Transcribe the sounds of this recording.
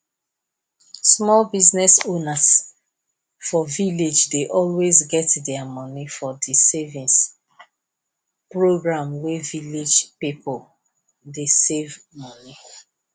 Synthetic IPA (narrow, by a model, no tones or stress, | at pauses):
smɔlbiznɛsonas | fɔviled͡ʒdeʔɔlwezɡɛtdɛamɔ̃nifɔdisevĩns | pɹoɡɹãmweviled͡ʒpipol | desev | mɔni